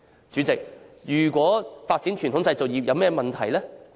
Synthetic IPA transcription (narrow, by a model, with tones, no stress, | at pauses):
t͡ʃyː˨˥t͡sɪ˨k̚jyː˨˩kʷwɔː˨˥faː˧t̚t͡si˨˥nt͡ʃʰy˨˩nʰʊ˨˥ŋt͡sɐ˧jt͡so˨wjiː˨˩p̚jɐ˨˧wmɛː˥mɐ˨nt̪ʰɐ˨˩jlɛː˥